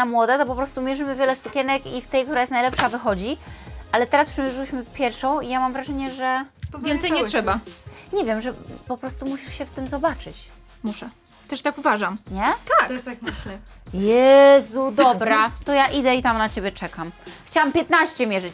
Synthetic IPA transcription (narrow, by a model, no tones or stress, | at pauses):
amwɔd̪ɛt̪ɔpɔpɾɔst̪umʲjɛʐɘmɘvʲjɛlɛsukʲɛnɛkift̪ɛjkt̪uɾajɛst̪najlɛpʂavɘxɔd͡ʑiʔalɛt̪ɛɾaspʂɛmʲjɛʐɘwɘɕmɘpʲjɛɾfʂɔ̃w̃ijamamvɾaʐɛɲɛʐɛvjɛnt̪sɛjɲɛttʂɛbaɲɛvʲjɛmʐɛpɔpɾɔst̪umuɕiʂɕɛft̪ɘmzɔbat͡ʂɘt͡ɕ | muʂɛ | t̪ɛʂt̪akuvaʐamɲɛt̪ak̪st̪akmanɛjɛzud̪ɔbɾat̪ɔjaʔid̪ɛit̪amnat͡ɕebʲjɛt͡ʂɛkamxt͡ɕawampʲjɛt̪naɕt͡ɕɛmʲjɛʐɘt͡ɕ